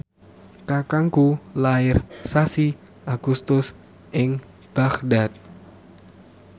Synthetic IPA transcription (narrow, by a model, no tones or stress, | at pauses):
kakaŋkulaɪrsasi | ʔaɡ̥ust̪ʊs | ʔɪŋ | b̥aχdat̪̚